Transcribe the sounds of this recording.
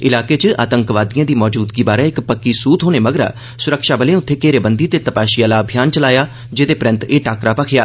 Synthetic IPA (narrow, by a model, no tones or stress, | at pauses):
ɪlaːkeːt͡ʃəʔa̰ːt̪əŋkʋaːd̪ijãːd̪iːmɔːd͡ʒuːd̪ɡiːbaːɾãːɪkpəkːiːsuːt̪ɦoːneːməɡɾa̰ː | sʊɾəkʃaːbəlẽːʊt̪ʰːeːkeːɾeːbənd̪iːt̪eːt̪əpaːʃijaːlaːəbʱijaːnt͡ʃəlaːjaː | d͡ʒeːd̪eːpɾə̃nt̪eːʈaːkɾaːpəkʰja̰ː